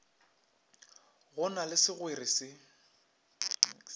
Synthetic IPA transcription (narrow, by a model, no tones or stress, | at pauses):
ɣʊnalɪsɪɣwerisɪ